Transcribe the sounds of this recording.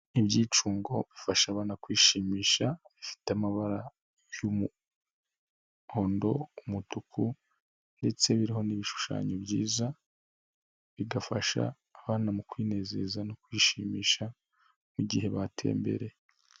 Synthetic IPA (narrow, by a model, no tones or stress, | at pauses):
ibjiːt͡ʃuːŋɡo̞βifaʃaβaːnakwiːʃiːmiːʃaβifi̥tamaβaɾa | jumu | ho̞ːndo̞umutukʰu | nde̞t͡se̞βiɾiɦo̞niβiʃu̥ʃa̰ːɲobjiːza | βiɡafaʃa̰ː | βaːnamukwiːne̞ːze̞̰zanokwiːʃiːmiːʃa | muɟihe̞βatʰe̞̰ːmbe̞̰ɾe̞